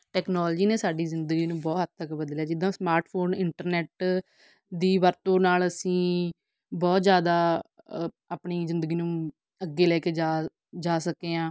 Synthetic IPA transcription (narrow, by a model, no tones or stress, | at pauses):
ʈɛːknɔːld͡ʒiːneːsaːɖiːzɪnd̪əɡiːnũːbɔːtɦət̪t̪əkbəd̪ljaːd͡ʒɪd̪ːãːsmaːɾʈpʰoːnɪɳʈəɾnɛːʈ | d̪iːʋəɾt̪õːnaːləsĩː | bɔːt̪zjaːd̪aː | aːpɳiːzɪ̃nd̪əɡiːnũː | əɡːeːlɛːkeːd͡ʒaː | d͡ʒaːsəkeːãː